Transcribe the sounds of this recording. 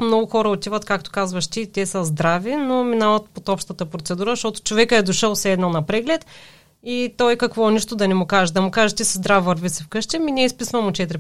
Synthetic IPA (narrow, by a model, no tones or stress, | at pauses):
mnɔɡʊxɔɾəot̪ivət̪kak̚t̪o̥kazvɐʃt̪it̪ʲɛsəzd̪ɾavinominavɐt̪̚pot̪ɔpʃt̪ət̪əpɾot̪sɛd̪uɾəʃt̪ɔt̪ʊ̥t͡ʃovɛkəɛd̪oʃəlˠsɛd̪nɐnɐpɾɛɡlɛt̪ | it̪ɔjkɐkvɔniʃt̪ʊd̪ɐnɛmʊkaʒəd̪ɐmʊkaʒɛt̪isəzd̪ɾafvɐɾvisɛfkɤʃt̪ɛminɛispisvɐmot͡ʃɛt̪ɾi